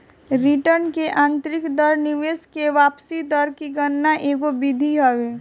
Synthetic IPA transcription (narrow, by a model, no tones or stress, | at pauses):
ɾiʈəɾnkeʔãːnt̪ɾɪkd̪əɾnɪʋeːskeʋaːpsid̪əɾkiɡənːaʔeːɡobɪd̪ʱiɦəʋeː